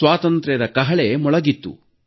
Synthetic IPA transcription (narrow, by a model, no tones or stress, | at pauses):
ʋaːt̪ɐnt̪ɾɛɾɐkɐɦɐɭemɔɭɐɡit̪ːṵ